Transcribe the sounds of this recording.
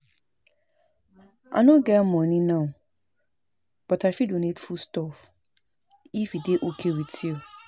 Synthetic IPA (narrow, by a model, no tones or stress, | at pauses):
ʔã̰nõɡɛmɔ̃nĩnãʊ̃ | b̥ɔtʰaɪfidonetfustɔf | ifideʔokʰewitʰio